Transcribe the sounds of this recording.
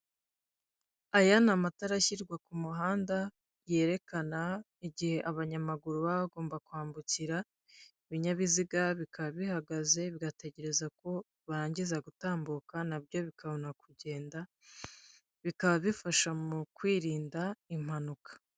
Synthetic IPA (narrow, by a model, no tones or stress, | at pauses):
ajanamataɾaçiɾɡwakumuɦaːnda | je̞ːɾe̞kana | iɟihe̞ʔaβaɲamaɡuɾuβaβaɡo̞ːmbakuaːmbuciɾa | iβiɲaβiziɡaβikaβaβihaɡaze̞βiɡate̞ce̞ɾe̞zako̞ | βaɾaːɲɟizaɡutaːmbukanab̚jo̞βikʰaβo̞nakuɟe̞ːnda | βikaβaβifaʃamukwiːɾiːndaim̥hanukḁ